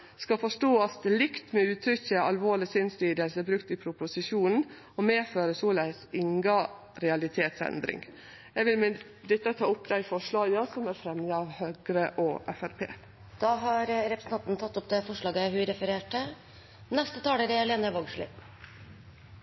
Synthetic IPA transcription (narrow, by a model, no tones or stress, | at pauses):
skɑfɔʂʈoːɑt̪lɪkt̪mɛʉːt̪ʰɾʏçːəɑlʋoːɭɪsɪnst̪iːd̪əlsəbɾʉkt̪ɪpʰɾʊpʊsɪʃuːnn̩ | ɔmeːføːɾəsɔːlæɪsɪŋɡɑ | ɾɛɑlɪt̪ʰeːt̪sɛ̰nd̪ɾɪ̰ŋ | jæʋɪlm | d̪ɪt̪ːət̪ʰɑːʊpːd̪æɪfɔʂɭɑːɡɑsɔmæɾfɾɛmnəɑʋhøːɡɾəʔɔʔɛfæɾpʰḛː | d̪̥ɑːɦɑɾɾɛpɾəsn̩t̪ʰɑnt̪nt̪ʰɑt̪ːɔp̚d̪ɛfɔʂlɑːɡəɦʉɾɛfəɾeːʈə | nɛst̪ət̪ʰɑːləɾɛɛleːnəɾʋɔːɡʂɭɪ̰